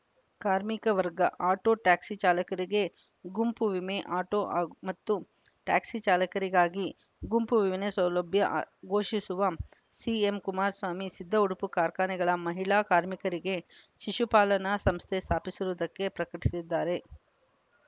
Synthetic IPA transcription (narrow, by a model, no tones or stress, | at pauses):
kaːɾmikɐʋɐɾɡɐ̰ʔaːʈoːʈaːksit͡ʃaːlɐkɐɾiɡe̞ | ɡumpuʋimeʔaːʈoːʔmɐt̪ːu | ʈaːksit͡ʃaːlɐkɐɾiɡaːɡi | ɡumpuʋiʋnesɐwlɐbʱjɐɡoːʃisuʋɐ | siemkumaːɾsʋaːmisid̪ʱːɐuɽupukaːɾkaːnɛɡɐɭɐmɐɦiɭaːkaːɾmikɐɾiɡe̞ʃiʂupaːlɐnɐsɐmst̪ʰe̞st̪ʰaːpisuɾuːd̪ɐkːe̞pɾɐkɐʈisid̪ːaːɾe̞